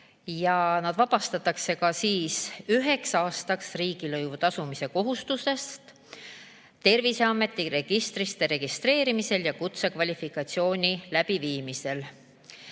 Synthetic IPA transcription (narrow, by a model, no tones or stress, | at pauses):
jɑnɑd̪̥vɑpɑst̪ɑt̪ːˑɑkse̞kɑsiːsyɦe̞ksɑːst̪ɑksriːɡ̥ilɤjvut̪ɑsumise̞ko̞ɦust̪use̞st̪ | t̪e̞rvise̞ɑmːe̞t̪ːˑiɾe̞ɡ̥ist̪ɾist̪e̞ɾe̞ɡ̥ist̪ɾe̞ːɾimise̞ljɑkut̪sekvɑlʲifikɑt̪sio̞ːnʲilæb̥iviːmise̞l